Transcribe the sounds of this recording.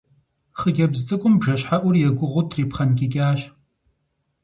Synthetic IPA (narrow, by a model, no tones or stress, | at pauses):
χəɡʲɐbzt͡sʼɨkʷʼʊmbʐɐɕħaʔʷʊrjɛɡʷʊʁʷʊtʰripχɐnkʲɪkʲʼaːʃ